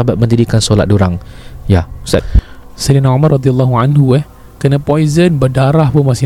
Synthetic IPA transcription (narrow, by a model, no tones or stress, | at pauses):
abat̪̚məndidikansola̰t̚doɾaŋjaust̪a̰t̪̚sadinaomarːɑd̪ialˤːaɦuanɦuɛh | kənapɔizənbərdaɾahpʊnmasɪ